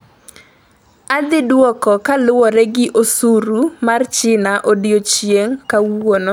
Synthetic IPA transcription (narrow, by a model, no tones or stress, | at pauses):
ad̪ɪdwɔkɔkalʊwɔɾɛɡɪʔosuɾumart͡ʃɪnaʔodɪot͡ʃjeŋkawono